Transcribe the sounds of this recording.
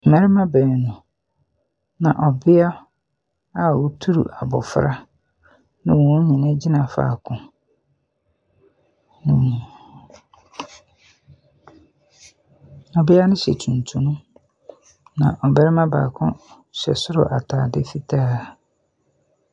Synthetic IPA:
mɛ˦ɾɪ˦mã˦bɛː˨nʊ̃˨ | nã̰˨ʔɔ˨bɪ˦a˦ | a˦˨wu˦tʰu˦ɾṵ˨ʔa˨bɔ̰˨fɾa˦ | nɪ̃˦wɔ̃˨˦ɲĩ˨nɛ̃˦d͡ʑi˦nã˨fa̰ː˨kʰʊ̃˨ | nɪ̃˨ | ɔ˨bɪ˦a˦nɪ̃˦ɕɛ˨tʰũ˨ntʰũ˨nũ˦ | nã˨ʔɔ˨bɛ˦ɾɪ˦mã˦ba̰ː˨kʰʊ̰̃˦ | ɕɛ̰˨sʊ˦ɾʊ̰˨ʔa˨tʰaː˨dɪ˦fi˦tʰaː˦

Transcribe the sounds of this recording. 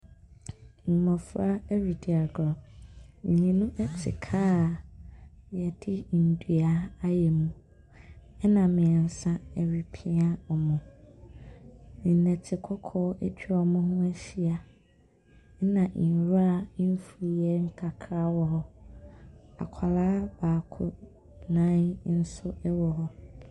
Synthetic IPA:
ŋ̩˨mɔ̃˨fɾa˦ɛ˦ɥi˨di˨a˨ɡɔ̃˨ | ɲĩ˨nũ˦ʔɛ˦tʰɪ̰˨kʰa˦˨ | jɛ˨dɪ˦n̩˨dɥa˨a˦jɛ˨mũ˨ | ɛ˦nã˨mɪ̃˨ɛ˨n˨sã˦ɛ˨ɥi˨pʰĩ˦a˦ɔ˨mʊ̃˨ | nɪ̃˨n̩˦nɛ̃˨tʰɪ˨kʰɔ˦kʰɔː˦æ˦t͡ɕʰᶣi˦ɔ˨mʊ̃˦ɦʊ̃˦æ˦si˦a˨˦ | nã˨ʔn˨ɾa˦n̩˦fu˨jɛ˦ŋ̩˦kʰa˨kʰɾa˦wɔ˨ɦɔ˦ | a̰˨kʰa˨laː˦b̥aː˨kʰʊ̰˨ | nã˦ɲ˦n̩˦sʊ˦ɛ˦wɔ˨ɦɔ˦

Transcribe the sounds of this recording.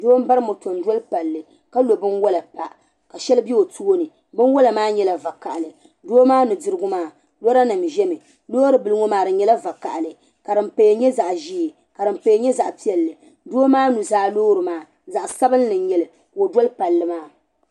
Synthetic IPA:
doː˦m̩˦ba˦ɾɨ˦mo˨to˨n˦dɔ˦lpa˨lːɨ˨ | ka˦lo˨bɨ˦nwɔ˦la˨pa˨ʔ | ka˨ʃɛ˦lbi˦o˨tu˦o˦nɨ˨ | bɨ˦nwɔ˦la˨maː˦ɲɛ˦la˨va˨ka̰˨ʔlɨ˨ | doː˦maː˦nu˨dɨ˦ɾɨ˦ɡʊ˦maː˦˨ | lɔ˦ɾa˦nɨ˨mʒɛ˦mɨ˨ | loː˦ɾɨ˨bɨ˨lɨ˦ŋo˦maː˨ɾɨ˨ɲɛ˦la˦va˨ka̰˨ʔlɨ˨ | ka˨ɾɨ˨mpe˨je˨ɲɛ˦za˨ʔʒiː˦i˨ | ka˨dɨ˨mpe˨je˦ɲɛ˦za˨ʔpi˦ɛ˨lːɨ˨ | doː˦maː˦nu˨zaː˦loː˦ɾɨ˨maː˦ | za˨ʔsa˦bɨ˦nː˦ɨ˨n˦ɲɛ˦lɨ˨ | o˨dwɔ˦lpa˨lːɨ˦maː˦

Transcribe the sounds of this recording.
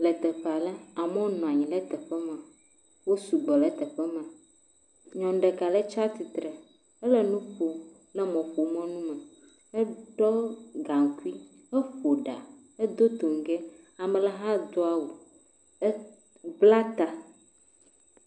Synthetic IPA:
lə˨t̪ɛ˨ɸa˨lɛ˦a˨mɔ̃˦nɔ̃˨a˨ɲĩ˨lɛ˦t̪ɛ˨ɸɛ˦mã˨ | wo˦su˨ɡ͡bɔ˨lə˦t̪ə˨ɸɛ˦mã˨ | ɲɔ̃˨n˦ɖɛ˨ka˨lɛ˦t͡ʃa˦t̪i˨t̪ɾə˨ | ɛ˦lɛ˦nũ˦ɸo˨ | lɛ˦mɔ̃˨ɸo˨mɔ̃˦nũ˦mə̃˨ | ɛ˦ɖɔ˦ɡa˨ŋ˨ku˦i˦ | ɛ˦ɸo˨ɖa˨ | e˦d̪o˦t̪o˨ŋ˨ɡɛ˦ | a˨mɛ˨lɛ˨ɦa˦d̪o˦a˦˨wo˨ | ɛ˦ | bla˦t̪a˨

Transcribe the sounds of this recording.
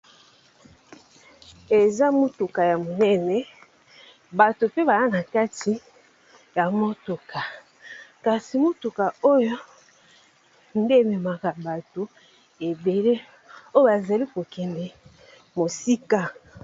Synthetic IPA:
e˨za˦mo˦tu˨ka˨ja˨mo˨nɛ˦nɛ˨ | ba˨to˨pe˦ba˨za˦na˨ka˦ti˨ | ja˨mo˦to˨ka˨ | ka˨si˨mo˦tu˨ka˨o˦jo˦ | n˦de˦˨me˨ma˨ka˨ba˨to˨ | e˨be˨le˦ | o˦jo˦ba˨za˨li˦ko˨kɛ˨ndɛ˨ | mo˨si˦ka˦

